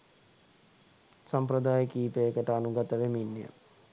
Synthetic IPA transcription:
sampɾəd̪aːjəkiːpejːkəʈəanuɡat̪əʋeminːə̰

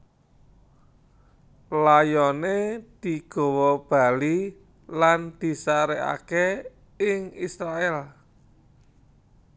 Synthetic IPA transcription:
lajɔned̪̥i̤ɡ̥ɔ̤wɔb̥a̤li | land̪̥i̤saɾɛʔa̰ke | ɪŋisɾaɛl

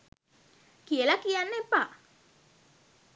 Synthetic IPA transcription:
kiəlakijanːepːa

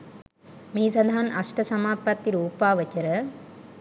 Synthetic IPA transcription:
miːsɐd̪ʱaːnʔɐʂʈɐsɐmaːpɐt̪ːiɾuːpaːʋɐt͡ʃɐɾɐ

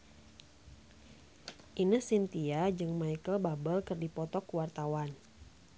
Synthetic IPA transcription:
ʔinəsint̪iad͡ʒɨŋmajkəlbabəlkərdipɔt̪ɔkuwart̪awan

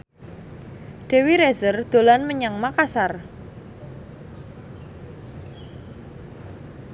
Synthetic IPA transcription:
ɖ̥e̤wiɾɛzərd̪̥o̤lanməɲaŋmakasar

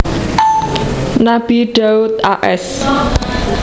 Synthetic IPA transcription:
nabiɖəwt̪̚aʔɛs

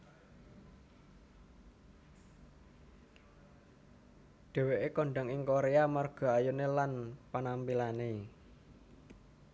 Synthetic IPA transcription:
ɖ̪̥e̤weʔekɔɳɖa̤ŋiŋkoɾeamarɡ̥ɔ̤ajunelanpanampilane

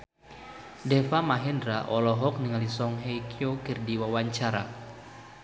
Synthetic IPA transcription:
dɛfamaɦɛndɾaʔɔlɔɦɔk̚niŋalisɔŋɦejkʰiokɨrdiwawaɲt͡ʃaɾa

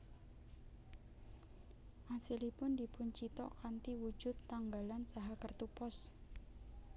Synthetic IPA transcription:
ʔasilipʊndipʊɲt͡ʃit̪ɔ̰ʔkant̪iwud͡ʒʊt̪ːaŋɡalansaɦakərt̪upɔs

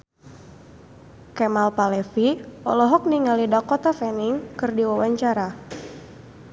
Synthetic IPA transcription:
kɛmalpalɛfiɔlɔɦɔk̚niŋalidakɔt̪afɛniŋkɨrdiwawaɲt͡ʃaɾa

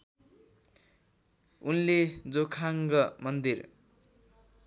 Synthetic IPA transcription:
unled͡zokʰaŋɡʌmʌnd̪ir

